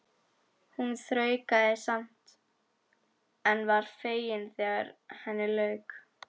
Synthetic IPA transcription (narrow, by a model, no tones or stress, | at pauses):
hunθɾœːɥkaðɪsam̥t̪ | ɛnvaɾ̥feːjɪnθɛːɣaɾhɛnːɪlœːɥk